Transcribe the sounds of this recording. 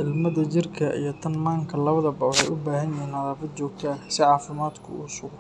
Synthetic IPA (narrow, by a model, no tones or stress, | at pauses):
ʔɪlmɐðɐt͡ʃɪrkʰɐʔḭjɔt̪ʰɐnmaːŋkʰɐlɐβɐðɐbɐwħɛjʔʊbaːɦɐnjiːnɐðaːfɐd̪̚t͡ʃɔːk̚t̪ʰɐsɪʕɑːfɪmaːd̪kʰʊ̰uːsʊɡ